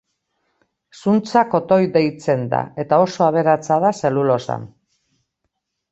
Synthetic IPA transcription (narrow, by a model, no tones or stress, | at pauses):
sunt͡sako̞t̪o̞jd̪e̞jt͡se̞nd̪a̰e̞t̪ao̞so̞aβ̞e̞ɾat͡saðase̞lulo̞sa̰n